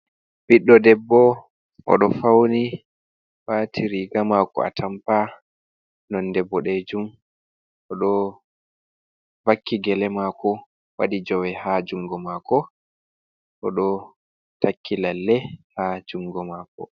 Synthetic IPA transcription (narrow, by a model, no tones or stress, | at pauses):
b̥iɗːɔdɛbːɔ | ʔɔ̰ɗɔfawni | waːtiɾiɡamakɔ̰a̰tʰampa | nɔndɛbːɔɗɛd͡ʒum | ʔɔɗɔ | vakʰːiɡɛlɛmakɔ | wa̰ɗid͡ʒɔwɛhad͡ʒuŋɡɔmaːkɔ | ʔɔɗɔ | takʰːilalːɛhad͡ʒuŋɡɔmaːkɔ